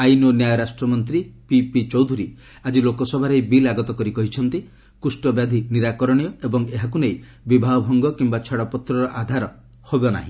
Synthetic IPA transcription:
ajnɔnjajɔɾasʈɾɔmɔnt̪ɾipipit͡ʃɔwd̪ʱuɾi | ad͡ʒilokɔsɔbʱaɾejbilaɡɔt̪ɔkɔɾikɔɦit͡ʃʰɔnt̪i | kusʈɔbjad̪ʱiniɾakɔɾɔɽ̃ijɔebɔŋeɦakunej | bibʱaɔbʱɔŋɡɔkimbat͡ʃʰaɽɔpɔt̪ɾɔɾɔʔad̪ʱaɾɔ | hobɔna̰ɦĩ

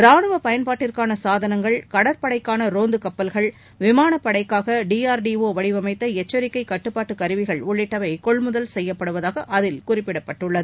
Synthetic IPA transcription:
ɾaːɳɯʋɐpɐjɐnpaːʈːɪrkaːnɐsaːðɐnɐŋɡɐɭkɐɽɐɾpɐɽɐɪkːaːnɐɾoːnd̪ɯkɐpːɐlɣɐɭ | ʋɪmaːnɐpːɐɽɐɪkːaːɣɐɖiːaːɾɖioːʋɐɽɪʋɐmɐɪt̪ːɐɛt͡ʃːɐɾɪkːɐɪkːɐʈːɯpːaːʈːɯkɐɾɯʋɪɣɐɭʊɭːɪʈːɐʋɐɪkɔɭmʊðɐlsɛjːɐpːɐɽɯʋɐðaːɣɐʔɐðɪlkʊrɪpːɪɽɐpːɐʈːɯɭːɐðɯ

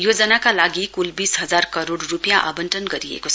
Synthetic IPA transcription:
jod͡zʌnakalaɡikulbisɦʌd͡zarkʌɾoɽːupjaʔa̰bʌnʈʌnɡʌɾijḛkot͡sʰ

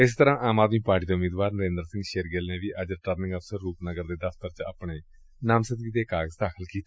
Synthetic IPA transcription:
ɪs̬t̪əɾãːʔaːmaːd̪miːpaːɾʈiːd̪eːʊmiːd̪ʋaːɾnəɾẽːnd̪əɾsɪ̃ŋɡʃeːɾɡeːlneːʋiːʔəd͡ʒəɾʈəɾnɪ̃ŋɡəfsəɾːuːpnəɡəɾd̪eːd̪əft̪əɾt͡ʃa̰ːpɳeː | naːmsəɡiːd̪eːkaːɡəzd̪aːkʰəlkiːt̪a

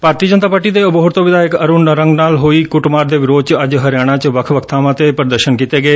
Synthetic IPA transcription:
paːɾt̪iːəd͡ʒənt̪aːpaːɾʈiːd̪eːʊboɦʊɾt̪õːʋɪd̪aːɪkəɾuːnəɾəŋɡnaːlɦoːiːkʊʈmaːɾd̪eːʋɪɾoːd̪̚t͡ʃəd͡ʒɦəɾɪjaːɽ̃ãːt͡ʃəʋəkʰʋəkʰt̪ʰaːʋãːt̪eːpəɾd̪əɾʃənkiːt̪eːɡəeː

